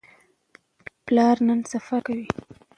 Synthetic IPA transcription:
plɑɾnənsafakawi

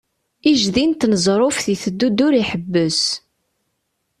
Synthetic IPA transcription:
iʒðint̪nəzˤɾˤʊfθiθəd̪ːud̪ːʊɾiħəbːəs

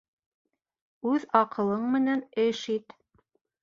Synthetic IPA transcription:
ʉðɑqɤ̆lˠɤɴmɘ̆nænɘʃit̪

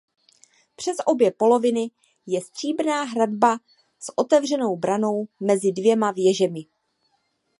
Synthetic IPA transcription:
pr̝̥ɛsʔo̞bjɛpo̞lo̞vɪnɪ | jɛst̪r̝̥iːbnaːɦɾadba | sʔo̞t̪ɛvr̝ɛno̞wbɾano̞wmɛzɪdvjɛmavjɛʒɛmɪ

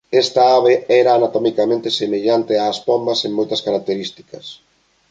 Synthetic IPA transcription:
ɛst̪aaβeɛɾaːnat̪ɔmikamẽnt̪esemeʎant̪eaːspombɐseŋmojt̪ɐskaɾak̚t̪eɾist̪i̥kɐs

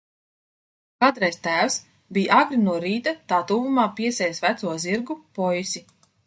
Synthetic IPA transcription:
kat̪ɾɛjst̪æːws | bʲijʔaɡɾinuɔɾiːt̪at̪aːt̪uːvumaːpiɛsʲɛjsvæt̪suɔziɾɡupɔjsʲi

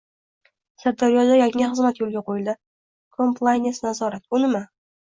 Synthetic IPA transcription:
saɾd̪aɾijɒd̪ajaŋɪχɨzmat̪jolˠɡʲaqʰojɪlˠd̪ɪ | kʰompʰlˠajnesnazɒɾat̪̚ʊnɪma

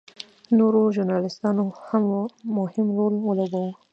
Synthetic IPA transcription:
noɾoʒʊɾnɑlɪst̪ɑnohammʊhɪmɾolwəlaɡawə

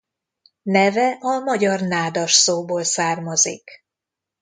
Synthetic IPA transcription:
nɛvɛʔɒmɒɟɒrnaːd̪ɒʃsoːboːlsaːrmɒzḭk

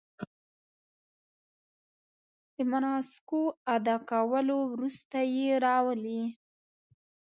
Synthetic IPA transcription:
d̪̥əmanɑsɪ̥koad̪ɑkawəlowɾust̪ajeɾɑwəli

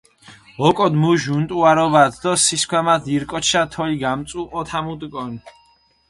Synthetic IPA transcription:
ɔkʼɔd̪muʒunt̪ʼuaɾɔbat̪ʰd̪ɔsiskʰwɛmat̪iɾkʼɔt͡ʃʰat̪ʰɔliɡamt̪sʼuʔɔt̪ʰamut̪ʼkʼɔn

